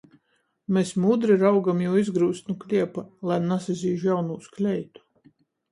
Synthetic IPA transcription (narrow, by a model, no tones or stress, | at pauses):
mesmud̪ɾiɾawɡamjuwizɡɾuːsnuklʲiɛpalˠajnasizʲiːʒjawnuːsklʲɛjt̪u̥